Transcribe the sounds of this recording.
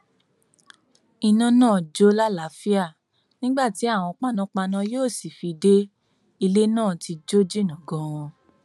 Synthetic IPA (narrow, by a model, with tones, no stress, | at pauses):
i˨nã˧nãː˦˨d͡ʒo˦la˦la˨˦fi˦a˦˨ | nĩ˦ɡ͡ba˦˨ti˨˦a˦˨w̃ɔ̃˧k͡pa˧nã˨˧˦k͡pa˧nã˧joː˦˨si˨fi˧de˦ | i˧le˦nãː˦˨ti˧d͡ʒo˦d͡ʒi˦˨nã˨ɡɔ̃˧w̃ɔ̃˧